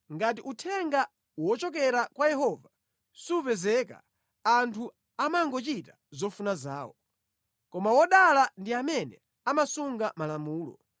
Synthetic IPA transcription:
ŋɡat̬iʔutʰɛŋɡa | wɔt͡ʃɔk̬ɛɾakwajɛhɔva | suuvɛzɛka̰ | antʰu | amaŋɡɔt͡ʃita | zɔfunaza̰ːwɔ | kɔmawɔɗalandiamɛnɛ | amasuŋɡamalamuːlɔ̰

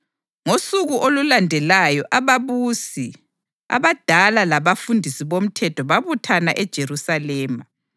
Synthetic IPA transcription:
ŋosuɣuʔolulandʱɛlajɔʔaβaβusi | a̰βad̥ʱalalaβafundʱisiβom̩tʰɛtʰɔβaβutʰanaʔɛd̥ʒ̥ʱerusalɛːma

